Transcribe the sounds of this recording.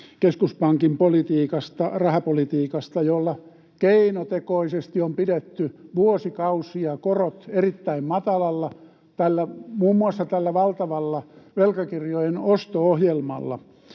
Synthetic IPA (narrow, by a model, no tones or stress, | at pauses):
keskuspɑŋkimpolit̪iːkɑst̪ɑrɑhɑpolit̪iːkɑst̪ɑjolːɑ | keinot̪ekoisest̪iompidet̪ːyʋuosikɑusiɑkorot̪erit̪ːæimmɑt̪ɑlɑlːɑ | t̪ælːæmuːmːuɑsːɑt̪ælːæʋɑlt̪ɑʋɑlːɑʋelkɑkirjojenost̪oohjelmɑ̰lːɑ̰